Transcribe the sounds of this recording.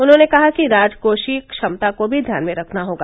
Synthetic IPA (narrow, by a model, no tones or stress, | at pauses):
ʊnɦõːnekɐɦakiɾaːd͡ʒkoːʃikʃɐmt̪akobʱid̪ʱja̰ːnmẽɾɐkʰnaɦoːɡaː